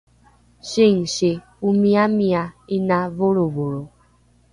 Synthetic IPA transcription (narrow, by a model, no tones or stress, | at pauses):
ʃiŋ̩ʃe | umiamiainavoɾovoɾo